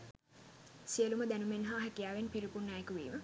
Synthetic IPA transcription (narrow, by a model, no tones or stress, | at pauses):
siəluməd̪ænumenɦaːɦɛkijaːʋenpiɾipunːajekuʋḭːmə